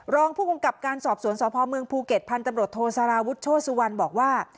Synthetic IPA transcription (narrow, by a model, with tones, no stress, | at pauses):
ɾɔː˧ŋpʰuː˥˩ku˧ŋka˨˩p̚kaː˧nsɔː˨˩p̚su˩˦nsɔː˨˦pʰɔː˧mɯ˧əŋpʰuː˧ke˨˩t̪̚pʰːa˧nt̪a˧mɾu˨˩ət̪ʰːoː˧sa˧ɾaː˧wu˦˥t̪̚t͡ɕʰoː˥˩su˧wa˧nbɔː˨˩k̚waː˥˩